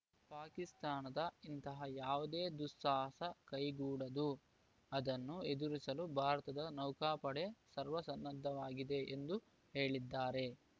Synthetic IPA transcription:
paːkist̪aːnɐd̪ɐint̪ɐɦɐjaːʋud̪eːd̪usːaːsɐkɐjɡuːɽɐd̪u | ɐd̪ɐnːue̞d̪uɾisɐlubʱaːɾɐt̪ɐd̪ɐnɐwkaːpɐɽe̞sɐɾʋɐsɐnːɐd̪ʱːɐʋaːɡid̪e̞ʔend̪u | he̞ːɭid̪ːaːɾe̞

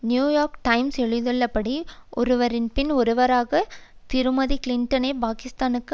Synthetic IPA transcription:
njuːjaːɾkʈɐɪmsɛɻɯðɯɭːɐpːɐɽiʔɔɾɯʋɐɾɪnpɪnɔɾɯʋɐɾaːɣɐt̪ɪɾɯmɐðikɪlɪnʈɐneːpaːkɪst̪aːnɯkː

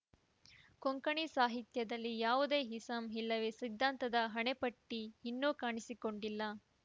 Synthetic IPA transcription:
koŋkɐɳisaːɦit̪jɐd̪ɐlːijaːʋud̪e̞ːɦisɐmɦilːɐʋesid̪ʱːaːnt̪ɐd̪ɐɦɐɳepɐʈːiinːuːkaːɳisiko̞ɳɖilːɐ

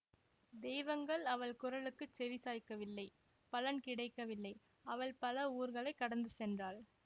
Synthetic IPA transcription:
d̪ɛːʋɐŋɡɐɭɐʋɐɭkʊɾɐɭɯkːɯt͡ʃɛʋɪsaːjkːɐʋɪlːɐɪ | pɐlɐnkɪɽɐɪkːɐʋɪlːɐɪ | ɐʋɐɭpɐlɐuːɾɣɐɭɐɪkːɐɽɐnd̪ɯsɛndraːɭ

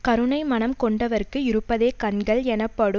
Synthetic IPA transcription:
kɐɾɯɳɐɪmɐnɐmkɔɳɖɐʋɐɾkɯɪɾɯpːɐðeːkɐnɡɐɭɛnɐpːɐɽɯ

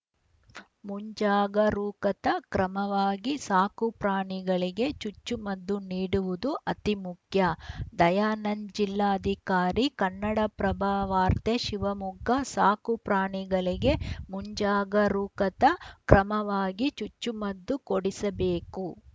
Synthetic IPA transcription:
muɲd͡ʒaːɡɐɾuːkɐt̪ɐkɾɐmɐʋaːɡisaːkupɾaːɳiɡɐɭiɡe̞t͡ʃut͡ʃːumɐd̪ːuniːɽuʋud̪uʔɐt̪imukʰjɐd̪ɐjaːnɐnd͡ʒilːaːɐd̪ʱikaːɾikɐnːɐɽɐpɾɐbʱaːʋaːɾt̪eʃiʋɐmuɡɐsaːkupɾaːɳiɡɐɭiɡe̞muɲd͡ʒaːɡɐɾuːkɐt̪ɐkɾɐmɐʋaːɡit͡ʃut͡ʃːumɐd̪ːukoɽisɐbeːku

